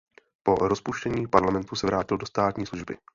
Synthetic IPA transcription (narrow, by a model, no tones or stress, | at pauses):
po̞ɾospuʃcɛɲiːpaɾlamɛnt̪usɛvɾaːcɪldo̞st̪aːt̪ɲiːsluʒbɪ̰